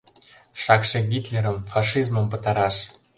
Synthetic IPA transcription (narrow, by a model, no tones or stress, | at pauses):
ʃɑkʃĕɡʲit̪lʲeɾə̆mfɑʂizmə̆mpɤ̆t̪ɑɾɑʃ